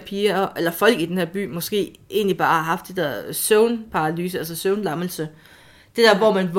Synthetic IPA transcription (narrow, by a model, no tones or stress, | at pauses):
pʰiːɐelɐfɒ̽l̰ɡ̥id̥enhe̝ɐ̰b̥y̰ːmɒ̽sɡ̥e̝̰ːʔe̝̰ːnlib̥ɑ̈ːhɑ̈ɦɑ̈fd̥ed̥æ̰ɐ̰søʊnpʰɑ̈ɑ̈lyːs̬əæls̬ɒsøʊnlɑ̈məl̩sə | d̥e̝d̥æɐ̰ʋɒmænʋ